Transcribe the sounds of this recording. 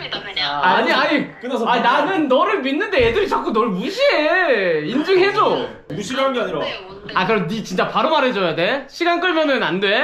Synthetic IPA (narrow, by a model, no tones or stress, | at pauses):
aːɲiaɲikɯasainanɯnːʌɾɯɭminːɯnde̞jedɯɾit͡ɕʰak͈ʰonʌɭmuɕʰieind͡ʑɯɦed͡ʑo | nuɕʰiɡaɯnɡeaɲiɾa | aikɯɾʌmnit͡ɕint͡ɕ͈apaɾomaɾed͡ʑʌjade̞ɕʰiɡank͈ɯɭmjʌnɯnandwe̞